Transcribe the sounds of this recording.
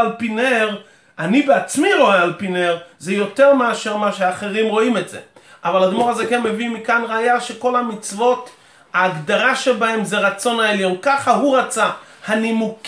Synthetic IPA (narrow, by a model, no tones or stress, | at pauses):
lpineʁ | anibeat͡smiʁo̞ealpineʁzejo̞t̪eʁmeaʃeʁmaʃeaːχeʁimʁo̞imetz̥ḛʔavalad̪moʁazekenmevimikanʁaːjaʃeko̞lhamit͡svo̞t | haːɡd̪aʁaʃebahe̞mzeʁat͡so̞naeljo̞nkaχaɦuʁat͡sahanimuk